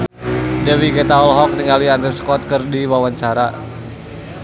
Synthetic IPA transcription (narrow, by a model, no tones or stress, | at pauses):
dɛwiɡɛt̪aɔlɦɔk̚niŋaliandiskɔt̪̚kɨrdiwawaɲt͡ʃaɾa